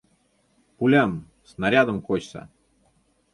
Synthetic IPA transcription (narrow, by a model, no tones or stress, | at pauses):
pʊlʲam | snɐɾʲad̪əmxot͡ɕsə̰